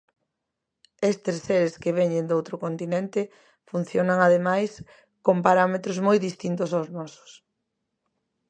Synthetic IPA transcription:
est̪esseɾeskeβeɲend̪owt̪ɾʊkont̪inent̪ɪ | fun̟θjonaŋaðemajs | kompaɾamet̪ɾozmojðist̪int̪ʊsawznɔsʊ̥s

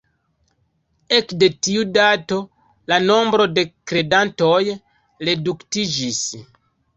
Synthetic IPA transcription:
e̞kde̞tiudato̞ | lano̞mbɾo̞de̞kɾe̞danto̞j | ɾe̞duktid͡ʒis

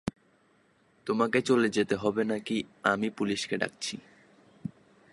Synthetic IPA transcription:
t̪omaket͡ɕoled͡ʑet̪eɦɔbenakiamipuliʃkeɖa̰k̚t͡ɕʰi

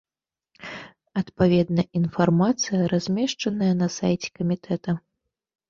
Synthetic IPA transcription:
ɐt̪pavʲɛd̪nɐʔin̪farmat̪sɨjɐɾazʲmʲɛʂt͡ʂɐnɐjɐnɐsa̰jt͡sʲɛ̥kɐmʲit̪ʰɛt̪ɐ

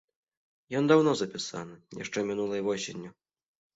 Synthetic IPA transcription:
jɔnd̪awnɔzɐpʲisa̰nɨja̰ʂt͡ʂɛmʲinulˠɐjvɔsʲenʲːu

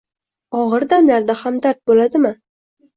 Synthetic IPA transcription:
ɒʁɨɾd̪amlaɾd̪ahamd̪aɾt̪̚bolad̪ɪmɪ

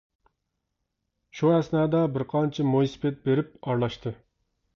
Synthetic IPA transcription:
ʃuhæsnɛːd̪ɑbɪɾqʰɑnt͡ʃʰɛmojsɨ̥pʰɛt̪̚beɾɪpɑɾlˠɑʃt̪ʰɨ

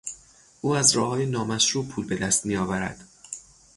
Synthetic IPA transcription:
ʔuːæzɾɒːhɒːjenɒːmæʃʃuːpʰuːlbe̞d̪æst̪mijɒːvæɾæ̰d̪̥

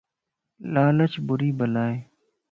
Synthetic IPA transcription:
laːlət͡ʃʰbʊɾiːbəlaːeː

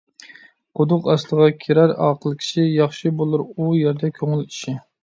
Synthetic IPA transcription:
qʰʊd̪ʊqɑslˠəʁɑkʲʰeɾæɾɑ̰ːqʰəlˠkʲʰi̥ʃijɑχʃɨbolˠuɾujæɾd̪ɛkʲʰøŋɪliʃi

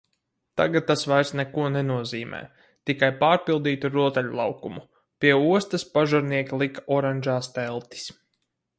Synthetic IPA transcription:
t̪a̰ɡat̪̚ːasvajɾsnɛkuɔnɛnuɔziːmɛ̰ː | t̪ikajpaːɾpilˠd̪iːt̪uɾuɔt̪ɛlʲulˠɑ̰wkumu | piɛuɔst̪aspaʒaɾniɛkʲilˠikḁɔɾanʲʒaːst̪ɛlˠt̪i̥s

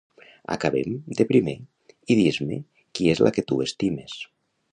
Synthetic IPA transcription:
a̰kaβḛmd̪epɾime | iðizme | kiezlʔaket̪uest̪imes

